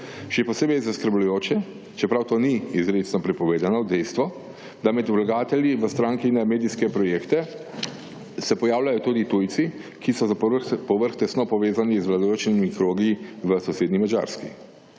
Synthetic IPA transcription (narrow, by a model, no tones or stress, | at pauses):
ʃɛpɔseːbɛjzaskəɾblujoːt͡ʃɛ | t͡ʃɛpɾawt̪oːniizɾet̪snɔpɾɛpɔʋeːd̪anɔd̪ɛjst̪ʋɔ | d̪amɛd̪ulaɡaːt̪ɛljiʋəst̪ɾaːŋkiinɛmeːd̪iskɛpɾɔjeːkt̪ɛ | sɛpɔjaːwlajɔt̪ud̪it̪ujt̪si | kisɔzapɔʋəɾxt̪ɛst̪nɔpɔʋeːzanizʋlad̪ajoːt͡ʃimikɾoːɡiiʋəsɔseːd̪nimad͡ʒa̰ːɾskḭ